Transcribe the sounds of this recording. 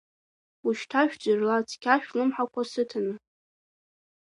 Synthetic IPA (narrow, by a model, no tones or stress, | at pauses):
uʃtʰaʃᶣd͡zɨrlat͡sʰʼkʲʰaʃᶣlɨmħakʷʰasɨtʰɨnɨ